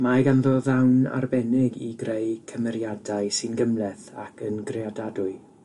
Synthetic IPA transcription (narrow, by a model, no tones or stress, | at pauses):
maɡanðɔðawna̰rbɛnɪɡiɡrejkʰəmɛɾjadaɨsɨnɡəmlɛθa̰kʰənɡreadadʊɨ